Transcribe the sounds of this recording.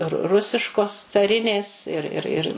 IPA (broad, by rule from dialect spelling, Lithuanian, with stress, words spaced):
rʊ ˈrʊsʲɪʃkoːs t͡sɐˈrʲɪnʲeːs ɪr ɪr ˈɪr